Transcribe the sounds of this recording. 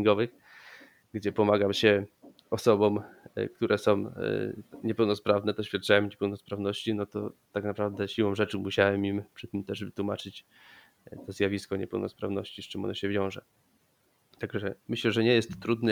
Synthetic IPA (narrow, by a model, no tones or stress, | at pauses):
ŋɡɔvɘx | ɡd͡ʑɛpɔmaɡamɕɛ | ɔsɔbɔmkt̪uɾʔɛsɔ̃w̃ | ɲɛpɛwnɔspɾavnɛd̪ɔɕfʲjat̪̚t͡ʂajɔmɲɛpɛwnɔspɾavnɔɕt͡ɕinɔt̪ɔt̪aknapɾavd̪ɛɕiwɔ̃mʐɛt͡ʂmuɕawɛmimpʂɘt̪ɘmt̪ɛʐvɘt̪wumat͡ʂɘt͡ɕ | t̪ɔzʲjavʲiskɔɲɛpɛwnɔspɾavnɔɕt͡ɕist͡ʂɘmɔ̰nɔɕɛvʲjɔ̃w̃ʐɛ̰ | t̪aɡʐɛmɘɕlɛʐɛɲɛjɛst̪ːɾud̪nɘ